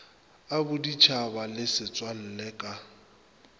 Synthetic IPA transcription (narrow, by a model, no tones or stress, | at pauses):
abʊdit͡ʃʰabalɪsɪt͡sʼwal̩lɛːkʼa